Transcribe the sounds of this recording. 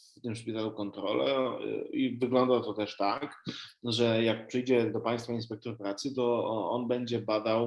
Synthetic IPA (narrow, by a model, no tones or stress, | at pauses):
t̪ɘmfʂpʲit̪alukɔnt̪ɾɔlɛ̰ivɘɡlɔnd̪at̪ɔt̪ɛʂt̪akʐɛjak̚pʂɘjd͡ʑɛd̪ɔpaj̃st̪fainspɛk̚t̪ɔɾpɾat̪sɘt̪ɔɔ̰nbɛɲd͡ʑɛbad̪aw